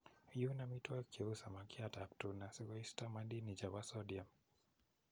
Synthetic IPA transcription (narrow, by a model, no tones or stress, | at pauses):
junamitwakʰiusamakiatap̚tunasikɔistamadinid͡ʒawasɔɗiam